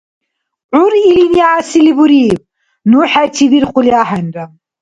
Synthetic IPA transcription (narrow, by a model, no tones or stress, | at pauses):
ʕʊɾilinijaʕasilibuɾiːb̚ | nuħæt̪ʰibiɾquliaħanʲɾam